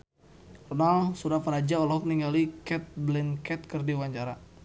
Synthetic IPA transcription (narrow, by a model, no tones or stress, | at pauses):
rɔnalsuɾapəɾad͡ʒaɔlɔk̚niŋɡalikɛt̪̚blɛnkɛt̪̚kərdiwaɲt͡ʃaɾa